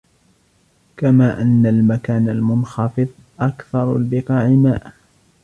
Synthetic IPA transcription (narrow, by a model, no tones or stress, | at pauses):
kamaːʔanːalmakaːnalmʊnxɑfɨðˤʔakθɑɾˤa̰lbɪqɑːʕɪmaːʔ